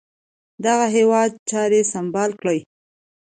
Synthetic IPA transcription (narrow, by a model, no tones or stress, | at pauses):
d̪aɣaɦewɑd̪̚t͡ʃɑɾesambɑlkɽəj